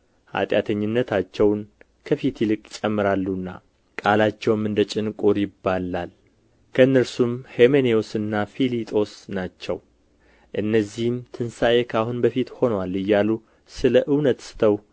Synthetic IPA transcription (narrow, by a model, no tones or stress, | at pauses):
ha̰t̪ʼjat̪ʰəɲːɪnːət̪ʰat͡ʃːɛwn | kʰəfit̪jɪlɨkʼt͡ʃʼɛmːɨɾalːunːa̰ | kʼalat͡ʃːɛwmɨnd̪ət͡ʃʼɪnkʼuɾjɪbːalal | kʰəɨnːəɾsumhemeneosɨnːafilit̪ʼo̞snat͡ʃːɛw | ʔɨnːəzːihmt̪ʰɨnsajekʰahunbəfit̪ho̞nəwalːɨjːalu | sɨləʔɨwnət̪sɨ̥t̪ʰəw